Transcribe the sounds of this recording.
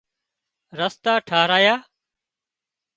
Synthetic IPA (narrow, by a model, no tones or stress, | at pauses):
ɾəst̪aːʈʰaːɦɾaːjaː